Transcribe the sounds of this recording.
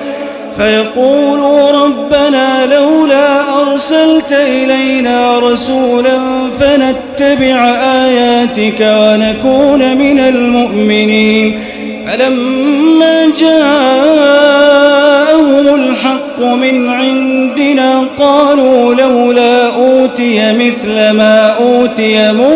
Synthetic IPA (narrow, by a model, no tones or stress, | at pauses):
fajɑquːluɾˤɑbːanaːlawlaːʔɑɾˤsalt̪ʔɪlajnaːɾˤɑsuːlanfanat̪ːabɪʕʔaːjaːt̪ɪkawanakuːnmɪnalmʊʔmɪniːn | falamːaːd͡ʒaː | ʔahʊmʊlħɑqːʊmɪnʕɪnd̪ɪnaːqɑːluːlawlaːʔuːt̪ɪjamɪθlamaːʔuːt̪ɪjamʊ